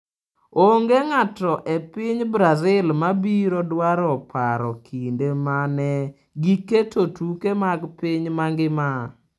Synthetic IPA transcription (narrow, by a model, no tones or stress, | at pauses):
oŋɡeŋatɔʔepɪɲbɾazɪlmabiɾɔdwaɾɔpʰaɾɔ̰kʰindemanɛ | ɡiketotukemaɡpɪɲmaŋɡɪma